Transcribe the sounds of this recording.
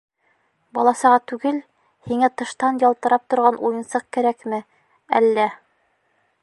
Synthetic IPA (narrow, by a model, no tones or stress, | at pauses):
bɑlˠɑsɤʁɑt̪ʉɡɘl | hiŋæt̪ɤ̆ʃt̪ɑnjɑlˠt̪ɤ̆ɾɑp̚t̪ŏɾʁɑnʔujɤ̆nsɤq̚kæɾækmɘ | æ̰lːæ